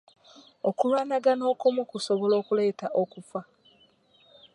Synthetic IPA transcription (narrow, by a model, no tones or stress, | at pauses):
okulwaːnaɡano̞ːkomukusoβolo̞ːkule̞ːtaʔokufa